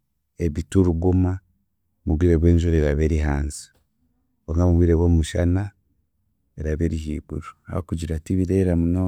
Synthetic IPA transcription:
eβituɾuɡuma | muβwiːɾe̞βwe̞ːɲʒuɾeɾaβe̞ɾiɦaːnzi̥ | oŋamuβwiɾeβwoːmuʃana | eɾaβeɾihḭːbṵɾua̰βa̰kuɟiɾatiβiɾeɾamuno

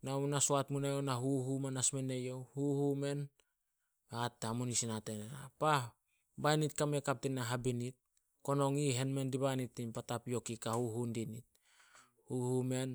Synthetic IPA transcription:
namunasoatmunajonaɦuɦumenasmenejo̞huhume̞n | atamonisinatenena̰pa | bajnitkamekap̚tinaɦabinit̚ | ko̞no̞ŋiɦe̞nmendibanitːimpatapijo̞kikahuɦundinit̚ | huhume̞n

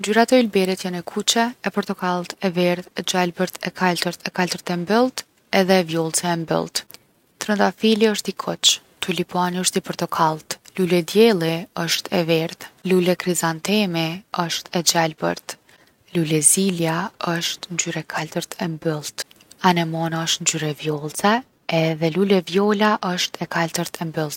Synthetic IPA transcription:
nd͡ʒyɾat̪ɛulbɛɾit̪janɛkʰut͡ʃɛɛpɔɾt̪ɔkalˠt̪ɛvɛɾðɛd͡ʑalbəɾt̪ʰɛkʰalt̪əɾt̪ɛkalt̪əɾt̪ɛmbəlˠt̪ | ɛðɛvjɔlˠt͡sɛɛmbə̰lˠt̪ | t̪ɾənt̪afiliəʃt̪ikʰɔt͡ʃ | t̪ʰulipuaniəʃt̪ipəɾt̪ɔkʰalˠt̪lulɛd̪jɛlˠiəʃt̪ʰɛvɛɾt̪lulɛkɾizant̪ɛmiəʃt̪ɛd͡ʑalbə̰ɾt̪ | lulɛziljaəʃt̪nd͡ʒyɾɛkʰalt̪əɾt̪ʰɛmbəlˠt̪anɛmɔnaəʃt̪nd͡ʒyɾɛvjɔlˠt͡sɛ | ɛðɛlulɛvjɔlaʔəʃt̪ʰɛkʰalt̪əɾt̪ʰɛmbəlˠt̪̚

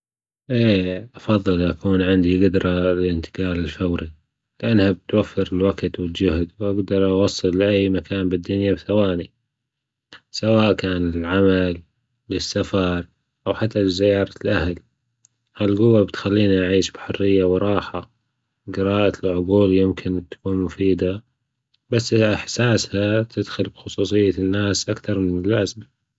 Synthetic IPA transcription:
ʔeːʔɑfɑðˤːɨlʔakuːnʕɪnd̪iɡad̪ɾˤɑlɪɪnt̪ɪ̥ɡɑːlɪlfawɾi | lɪʔanːhabɪt̪wafːɪɾɪlwaɡt̪wɪld͡ʒʊhd̪wʔaɡd̪ɑɾˤʔɑwɑsˤːɨlːʔajːmakʰaːnbɪd̪ːʊnjabθawaːni | sawaːʔkaːnɪlʕamal | lɪsːafɑɾˤ | ʔawħat̪ʰːalizɪjɑːɾˤɑlʔahl | halɡʊwːabɪt̪xalːiːniʔaʕiːʃbħʊrːɪjːawɾˤɑːħa | ɡɪɾɑːʔalʕʊɡuːljɪmkʰɪnt̪ːḁkuːnmʊfiːd̪a | basːʔɪħsaːshat̪ʰɪd̪xʊlbxʊsˤuːsˤɨjːanːaːsʔakθɑɾˤmɪnɪlːazma

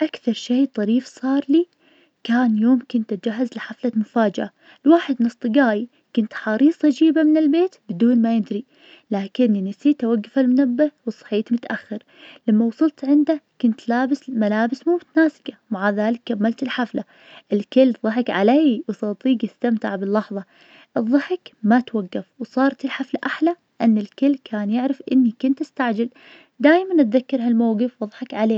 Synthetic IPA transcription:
ʔakθɑɾˤʃeːt̪ˤɑɾiːfsˤɑːɾˤliː | kaːnjoːmkʊnt̪̚d͡ʒaɦːazlɪħaflamʊfaːd͡ʒɪʔa | lwaːħɪd̪nɨsˤt̪ˤɨɡaːji | kʊnt̪ħɑɾiːsˤɑd͡ʒiːbamɪnɪlbeːt̪bɪd̪uːnmajɪd̪ɾi | laːkɪnːinɪsiːt̪awaɡːafalmʊnabːawɨsˤːɑ̥ħiːt̪mʊt̪aʔaxːɪɾ | lamːawɑsˤʊlt̪ʕɪnd̪akʊnt̪laːbɪsmalaːbɪsmuːmʊt̪naːsɪ̥kamaʕaðaːlɪkːamːalt̪ɪlħafla | ʔɪlkɪlːðˤɑħɪkʕalaːjwsɑt̪ˤiːɡjɪst̪amt̪ɪ̰ʕbɪlːɑħðˤɑ | ʔɨðˤːɑħɪkmat̪waɡːafwsˤɑːɾˤt̪ɪlħaflaʔaħla | ʔɪnːɪlkɪlːkʰaːnjɪʕɾɪfʔɪnːikʊnt̪ʔɪst̪aʕd͡ʒal | d̪aːjmanʔat̪ðakːɑɾˤɦalmawɡɪfwɨðˤħɪkʕaleː

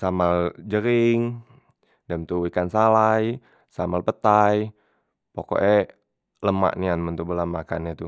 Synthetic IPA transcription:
samald͡ʒəɾɪŋ | dəmt̪uwikansalaj | samalpət̪aj | pokɔ̰ʔɛ | ləma̰ʔnianmənt̪ubulamakanit̪u

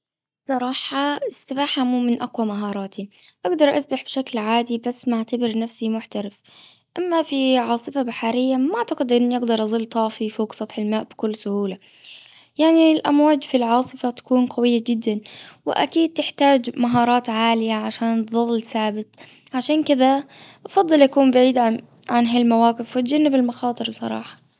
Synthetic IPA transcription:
sˤɑɾˤɑːħɑɪsːɪbaːħamuːmɪnʔaqwamaɦɑːɾˤɑːt̪ʰiʔaɡd̪ɑɾˤʔa̰sbaħbʃaklʕaːd̪ibasːmaʕt̪abɪɾnafsimʊħt̪aɾɪf | ʔamːafiʕɑːsˤɨfabaħaɾɪjːamʔaʕt̪aqɪd̪ʔɪnːʔɪɡd̪ɑɾˤʔɑzˤɨlːt̪ˤɑːfifoːɡsˤɑt̪ˤħɪlmaːʔb̥ɪkʊlːsʊhuːla | jaʕnilʔa̰mwaːd͡ʒfilʕɑːsˤɨfat̪ḁkuːnqɑwɪjːad͡ʒɪd̪ːanwɪ̰ʔa̰kiːd̪̚t̪ɪħt̪aːd͡ʒmaɦɑːɾˤɑːt̪ʕaːlɪjaʕaʃaːnt̪ðˤɑlːsaːbɪt̪̚ˤʕaʃaːnkɪðaʔɑfɑd̪ˤːɨlʔakuːmbaʕiːd̪ʕ | ʕanɦalmawaːqɪfwɪt̪̚d͡ʒanːɪbɪlmɑxɑːt̪ˤɨɾbsˤɑ̰ɾˤɑ̰ːħɑ̥

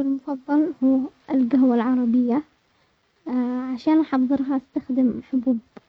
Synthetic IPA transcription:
lmʊfɑðˤːɑlhuːɪlɡaɦwalʕɑɾˤɑbɪjːa | ʕaʃaːnʔaħɑfðˤɨɾɦɑʔast̪axd̪ɪmħʊbuːb

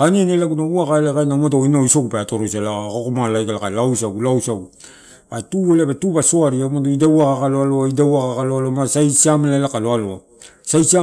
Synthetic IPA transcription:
kanienelaɡunauakaelakanamatoinaisokupeatoɾosalaakokomalajɡalakalawsaɡulawsaɡu | atuelabetubasoaɾiamatoidauakakaloaloaidawaɣakaloalomasajsiamlalakaloaloa | sajsia

